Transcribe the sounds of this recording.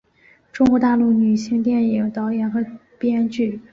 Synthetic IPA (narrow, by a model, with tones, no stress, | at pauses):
ʈ͡ʂʊ˥ŋkwɔ˧˥t̪a˥˧lu˥˩ny˨˩ɕi˥˧ŋt̪jɛ˥˩ni˨˩ŋt̪ɑ˧˥ʊjɛ˧˥nxɤ˧˥pjɛ˥nt͡ɕy˥˩